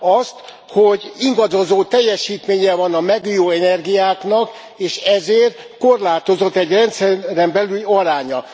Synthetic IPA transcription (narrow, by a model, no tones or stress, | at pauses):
ɒst̪ | hoɟiŋɡɒd̪o̞zoːt̪ɛjːɛʃiːt̪meːɲɛvɒnɒmɛɡujoːɛnɛrɡijaːknɒk | eːʃɛzeːr | ko̞rlaːt̪o̞zo̞t̪ːɛɟrɛnt̪sɛːɛmbɛlylɒɾaːɲɒ